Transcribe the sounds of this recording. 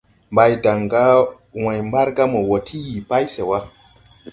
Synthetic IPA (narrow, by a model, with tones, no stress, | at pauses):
mba˨jda˨ŋɡa˦ | wã˨jmba˦ɾɡa˦mo˨wo˨tʰi˦ji˨pa˦jse˨wa˦